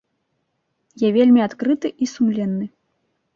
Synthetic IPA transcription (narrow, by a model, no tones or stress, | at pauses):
javʲelʲmʲiat̪kɾɨt̪ɨʔisumlʲɛnːɨ